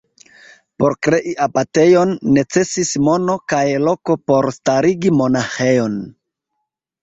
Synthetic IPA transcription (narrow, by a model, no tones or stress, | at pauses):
po̞ɾkɾe̞ʔiʔapate̞jo̞nːe̞t͡se̞sismo̞no̞kajlo̞ko̞po̞ɾstaɾiɡimo̞naxe̞jo̞n